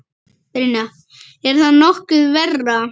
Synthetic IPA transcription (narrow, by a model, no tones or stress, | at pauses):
ɾina | ɛɾ̥θaðnɔhkʏðvɛrːa